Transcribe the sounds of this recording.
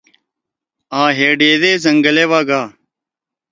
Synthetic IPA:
ãːɦeːɖeːd̪eːzɐŋɡəleːʋaːɡaː

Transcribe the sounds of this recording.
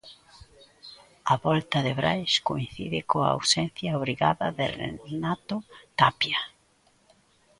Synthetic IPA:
ɐβɔlt̪ɐðɪβɾajskoinθiðɪkoaa̰wsɛn̟θjaoβɾiɣa̰ðɐðɪ̰rḛnat̪ʊt̪apja

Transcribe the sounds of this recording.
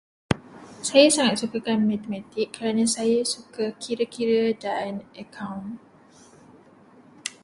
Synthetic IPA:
sajasaŋat̪̚sukakanmãt̪emãt̪ikːəɾanãsajasukakʰiɾakiɾadanʔəkʰawn

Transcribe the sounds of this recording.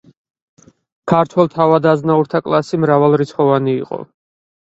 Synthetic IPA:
kʰaɾt̪ʰwɛlˠt̪ʰavad̪aznauɾt̪ʰakʼlˠasimɾavalˠɾit̪sʰχɔvanḭːqʼɔ̰

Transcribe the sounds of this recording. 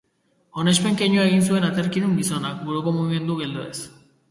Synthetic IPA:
o̞ne̞spe̞ŋke̞ɲuae̞ɣ̞ins̬ue̞nat̪eɾkinumbiso̞nakbuɾoko̞muɣime̞nd̪uɣe̞ld̪oe̞̰s

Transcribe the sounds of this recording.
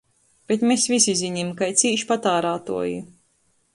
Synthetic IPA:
b̥et̪mesvʲisʲiziɲimkajt̪siːʃpat̪aːɾaːt̪ṵɔju

